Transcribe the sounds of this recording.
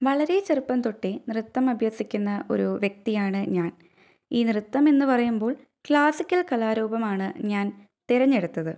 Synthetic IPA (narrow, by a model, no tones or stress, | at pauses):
ʋɐɭɐɾe̞t͡ɕerupːɐmt̪oʈːenrɨt̪ːɐmɐbʱjɐsːikʲːunːɐʔo̞̰ɾuʋjek̚t̪ijaːɳɨɲaːn | iːnrɨt̪ːɐme̞nːɨpɐrɐjumbo̞ːɭ | kɭaːsikʲːɐlkɐlaːɾuːbɐmaːɳɨɲaːn | t̪iɾɐɲːeɽut̪ːɐðɨ